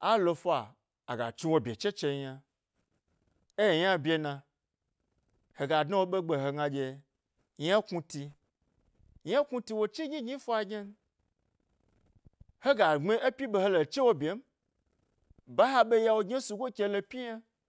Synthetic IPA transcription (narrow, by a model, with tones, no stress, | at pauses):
a˦lo˧fʷa˨ | a̰˨ɡa̰˨t͡ʃũ˦wo˦bʲe˨t͡ʃe˦t͡ʃe˧˦ɲa˧ | e˦je˨ɲ˦a˦bje˨˧nã˧ | he˨ɡa˨dna˦wo˦ɓe˦ɡ͡be˨ɦe˨ɡã˧d͡ʒe˨˧ | ɲ˦a˦ku˧ti˧ | ɲ˦a˦kũ˦ti˧wo˧t͡ʃi˦ɲʲĩ˦ɡɲĩ˦fo˦a˨ɡʲe˦n˦ | he˦ɡa˨ŋ͡me˦e˦pʲi˦ɓe˨he˦lo˨t͡ʃe˦wo˦bʲe˨˦m̩˦ | ba˦ɦa˦ɓe˦ja˦wo˨ɡɲe˦su˨ɡʷo˦kʲe˧lo˧pʲi˦ja˦